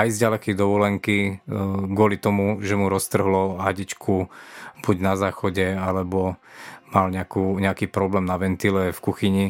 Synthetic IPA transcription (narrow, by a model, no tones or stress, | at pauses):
ajzɟalɛkɛjd̪ɔʋɔlɛŋki | ɡʊɔlit̪ɔmuʒɛmuɾɔst̪r̩ɦlɔɦaɟit͡ʃkʰub̥uɟnazaːxɔɟɛalɛbɔmalɲɛakuːɲɛakiːpɾɔblɛːmnaʋɛnt̪ilɛfkuxiɲi